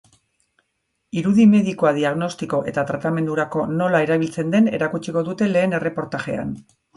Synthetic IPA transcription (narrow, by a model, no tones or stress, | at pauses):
iɾuðime̞ðikoaðiaɣno̞st̪iko̞ʔe̞t̪at̪ɾat̪ame̞nd̪uɾako̞no̞lae̞ɾaβ̞ilt͡se̞nd̪e̞ne̞̰ɾakut͡ʃiko̞ðut̪e̞le̞ːne̞re̞po̞ɾt̪aʝe̞̰a̰n